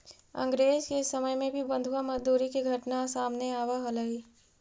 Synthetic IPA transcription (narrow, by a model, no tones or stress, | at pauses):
ɐ̰̃ŋɡɾeːzkesɐməjmẽbʱibɐ̃nd̪ʱuwamɐzd̪uːɾikiɡʱɐʈnasaːmneaːwaɦolɐɦiː